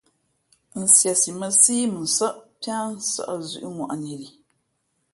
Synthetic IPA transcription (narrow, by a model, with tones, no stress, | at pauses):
n̩˨si˨ɛ˨si˨ma˦siː˦mɨ˨n̩˨sa˦ʔpa˦n˦sa̰˨ʔa˨zṵ˦ʔʊ˦ŋɔ˨ʔa˨nɛ˨ɾi˨